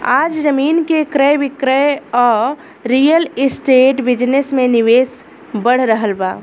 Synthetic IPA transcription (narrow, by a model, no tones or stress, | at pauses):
ad͡ʒd͡ʒəminkekɾəjbikɾəjɔ | ɾijəlisʈeʈbid͡ʒnesmeniwes | bəɽ̤ɾəɦəlba